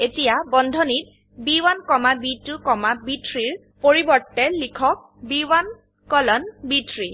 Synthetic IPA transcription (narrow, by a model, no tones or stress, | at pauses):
etijabɔndʱɔnit̚ | biwankɔmabitʊkɔmabitʰɹiɹ | poɹibɔɹtːɛlikʰɔk̚ | biwan | kɔlɔnbitʰɹi